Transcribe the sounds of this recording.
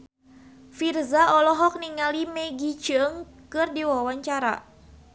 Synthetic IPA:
firzaɔlɔɦɔk̚niŋalimɛɡit͡ʃəŋ | kɨrdiwawaɲt͡ʃaɾa̰

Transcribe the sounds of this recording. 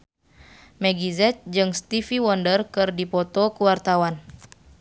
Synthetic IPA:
mɛɡizɛt̪̚d͡ʒɨŋst̪ifiwɔndərkɨrdipɔt̪ɔkuwart̪awan

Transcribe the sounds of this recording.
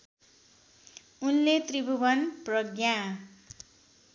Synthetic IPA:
unlet̪ribubʌnprʌɡjã

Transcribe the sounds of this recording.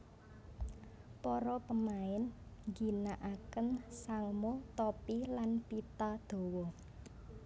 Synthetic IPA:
pɔɾɔpəmaɪnŋɡi̤naʔakənsaŋmot̪ɔpilanpit̪ad̪̥o̤wɔ

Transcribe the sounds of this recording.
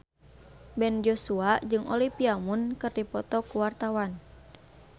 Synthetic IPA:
bɛnd͡ʒosuad͡ʒɨŋɔlipiamunkɨrdipɔt̪ɔkuwart̪awan

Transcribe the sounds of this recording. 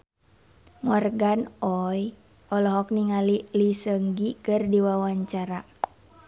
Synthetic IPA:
mɔrɡanɔj | ʔɔlɔɦɔk̚niŋalilisəŋɡikɨrdiwawaɲt͡ʃaɾa

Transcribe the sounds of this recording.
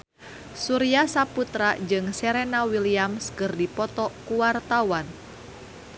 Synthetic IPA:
suɾiasaput̪ɾad͡ʒɨŋsɛɾɛnawiliamskɨrdipɔt̪ɔkuwart̪awan

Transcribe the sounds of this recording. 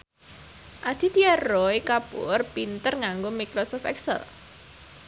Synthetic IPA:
ʔad̪̥i̤t̪iarɔikapʊ̰rpint̪ərŋaŋɡomikɾɔsɔft̪ɛ̰ksɛ̰l

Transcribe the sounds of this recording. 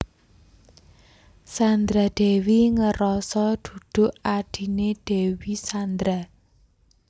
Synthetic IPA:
sand̪ɾaɖ̪̥ɛ̤wiŋəɾɔsɔd̪̥ṳd̪̥ʊ̤ʔaɖ̥i̤neɖ̥ɛ̤wisand̪ɾa

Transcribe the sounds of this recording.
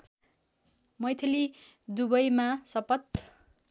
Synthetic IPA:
mʌjt̪ʰili | d̪ubʌjmasʌpʌt̪

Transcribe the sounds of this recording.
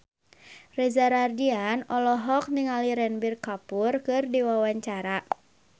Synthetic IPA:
rɛzaɾardianɔlɔɦɔk̚niŋaliɾɛnbirkapurkɨrdiwawaɲt͡ʃaɾa

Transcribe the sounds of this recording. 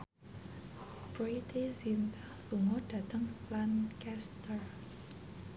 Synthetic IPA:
b̥ɾit̪isint̪a | luŋɔd̥a̤t̪əŋlankɛst̪ər

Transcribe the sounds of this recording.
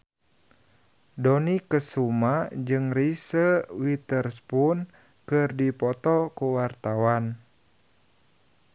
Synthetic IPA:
dɔnikəsumad͡ʒɨŋrisəwit̪ərspun | kɨrdipɔt̪ɔkuwart̪awan

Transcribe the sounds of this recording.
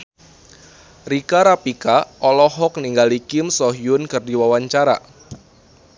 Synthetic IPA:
rikaɾapikaʔɔlɔɦɔk̚niŋɡalikɪmsɔɦiʊnkɨrdiwawaɲt͡ʃaɾa̰

